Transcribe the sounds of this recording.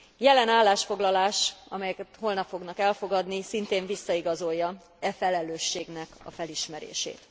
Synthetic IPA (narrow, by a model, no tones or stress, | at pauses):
jɛlɛnaːlːaːʃfo̞ɡlɒlaːʃɒ̰mɛjɛkɛt̪ho̞lnɒpfo̞ɡnɒkɛlfo̞ɡɒd̪nisint̪eːɱvisːɒiɡɒzo̞jːɒ | ɛfɛlɛløːʃːeːɡnɛkɒ̰fɛliʃmɛɾḛːʃḛːt̪